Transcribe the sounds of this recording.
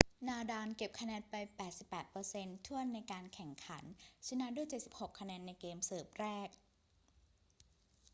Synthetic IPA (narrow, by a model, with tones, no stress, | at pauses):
naː˧daː˧nke˨˩p̚kʰa˧nɛː˧npa˧jpɛː˨˩t̪̚si˨˩pːɛː˨˩t̪̚pɤː˧se˧nt̪ʰu˥˩ənːa˧jkaː˧nkʰɛ˨˩ŋkʰa˩˦˥nt͡ɕʰi˦˥na˦˥du˥˩əjt͡ɕe˨˩t̪̚si˨˩p̚ho˨˩kʰːa˧nɛː˧nːa˧jkeː˧msɤː˨˩p̚ɾɛː˥˩k̚